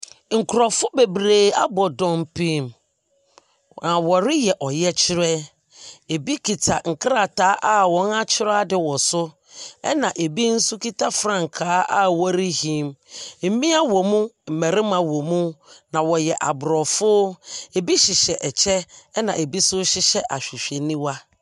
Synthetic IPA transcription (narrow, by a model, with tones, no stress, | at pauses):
ŋ̩˨kʰʊ˨ɾɔ˨fʊ˦be˨bɾeː˨a˦bɔ˨dɔ̃˦mpʰĩ˦˨m | nã˨wɔ˨ɾɪ˦jɛ˨ʔɔ˨jɛ˦t͡ɕʰɪ˦ɾɛ˦ | e˨bi˦kʰi˨tʰa˨ŋ̩˨kʰɾa˨tʰa˨˦ʔa˦wɔ̃˨˦na˦t͡ɕʰɪ˦ɾa˦dɪ˨wɔ˨sʊ˦ | ɛ˦nã˨ʔe˨bi˦n̩˦su˦ki˦tʰa˦fɾã˦˨ŋ̩˨kʰaː˨˦a˦wɔ˦ɾi˦hĩ˨˦mm̩˨mĩ˦a˦wɔ˨mũ˦m̩˨mɛ˨ɾɪ̃˦mã˨wɔ˨mũ˦nã˨wɔ˨jɛ˨ʔa˨bʊ˨ɾɔ˨fʊ˦e˨bi˦ɕɪ˨ɕɛ˨ʔɛ˨t͡ɕʰɛ˦nã˨e˨bi˦sʊ˦ɕɪ˦ɕɛ˦ʔa˨ɕᶣi˨ɕᶣe˨nĩ˦wa˦